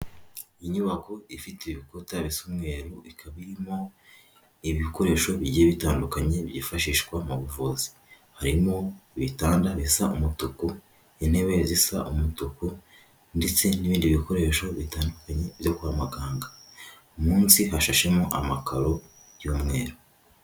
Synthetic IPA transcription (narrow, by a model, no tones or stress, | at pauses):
iɲuβako̞ifiteβikotaβisumŋe̞ːɾuikʰaβiɾimo̞ | iβiko̞ɾe̞ːʃo̞βiɟijeβitaːndukaɲe̞βjiːfaʃiːʃkwamuβuvuzi̥ | haɾimo̞βitaːndaβisaumutuku | ene̞βezisa̰ʔumutuku | nde̞t͡se̞niβiːndiβiko̞ɾe̞ːʃo̞βitaːndukaɲe̞βjo̞kuamaɡaːŋɡa | umuːnsiɦaʃaʃe̞moʔamakʰaɾo̞ | juːmŋe̞ːɾo